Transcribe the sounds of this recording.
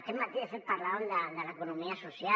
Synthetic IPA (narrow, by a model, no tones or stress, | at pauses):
t̪emat̪ieselpaɾlaoend̪and̪elaekonomiasosja